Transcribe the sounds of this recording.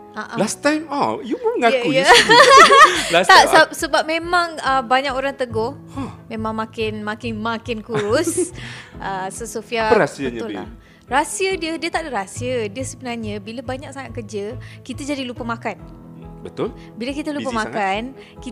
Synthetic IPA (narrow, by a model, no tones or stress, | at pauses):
aʔalast̪ajmajumuŋajkuja | last̪asp̚səbap̚mẽmãŋəbaɲakoɾaŋt̪əɡɔh | mẽmãŋmakɪnmakɪnmakɪnkuɾussʔəsəsofiaəasiəbɲʊla̰ | rasiədiədiət̪aʔdəɾasiədiəsəbənarɲə̃biləbaɲak̚saŋat̪̚kəd͡ʒəkit̪ad͡ʒadilupəmakan | bət̪ʊl | biləkit̪əlupəmãkan | ki